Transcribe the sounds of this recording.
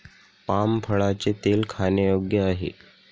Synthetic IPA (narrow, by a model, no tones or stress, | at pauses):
pampʰəɭat͡set̪elkʰanəjoɡjəaɦḛ